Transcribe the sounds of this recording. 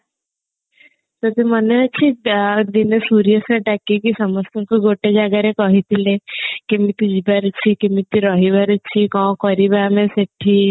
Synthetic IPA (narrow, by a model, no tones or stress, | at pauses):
t̪ot̪emənet͡ʃʰid̪inesuɾijəseʈakikisəməst̪ekuɡoʈed͡ʒaɡaɾekɔɦit̪ilekĩmit̪id͡ʒibaɾt͡ʃʰikimit̪iɾɔɦibaɾət͡ʃʰikɔ̃kɔɾibamẽseʈʰːi